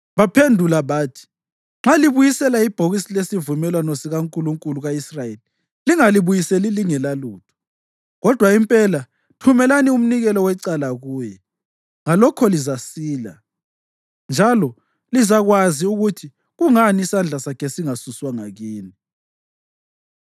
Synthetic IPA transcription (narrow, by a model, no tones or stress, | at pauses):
βapʰendʱulaβaːtʰi̥ | ŋ͡ǁaliβujisɛlaib̥ʱoɣisilesivumɛlwanɔsiɣaŋkʼuluŋkʼuluɣaisrajeli | liŋaliβujisɛliliŋɛlaluːtʰu̥ | ɣɔd̥ʱwaimpʼɛla | tʰumɛlanium̩niɣɛlɔwɛǀalaɣuːjɛ | ŋalɔkʰɔlizasiːla | nd͡ʒʱalɔ | lizaɣwaziuɣutʰi | ɣuŋaniːsand͡ɮʱasakʰɛsiŋasuswaŋaɣiːni